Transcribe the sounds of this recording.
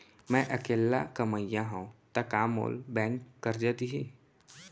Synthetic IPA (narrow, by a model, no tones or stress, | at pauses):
mɛ̃ʔɐkeːlːakɐməjãɦũt̪akaːmo̰ːlbɛ̃ːnːəɾd͡ʒaːt̪iɦiː